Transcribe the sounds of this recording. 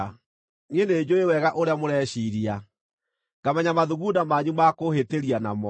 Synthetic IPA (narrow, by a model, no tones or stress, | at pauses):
ŋeneːd͡ʑoewɛɣaʔoɾeamoɾɛɕiɾia | ɡ̥amɛɲamaðuɣudamaɲumakoheteɾiana̰mɔ